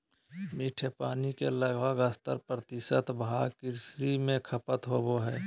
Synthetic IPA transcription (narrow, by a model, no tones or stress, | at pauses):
miʈʰepaːnikeləɡbəɡəst̪ə̰ɾpɾət̪ɪsət̪bʱakɪɾsimẽkʰəpət̪ɦoboɦɛː